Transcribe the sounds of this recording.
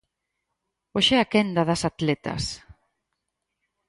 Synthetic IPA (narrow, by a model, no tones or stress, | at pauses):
oʃɛakɛnd̪aðɐsat̪lɛt̪ɐ̰s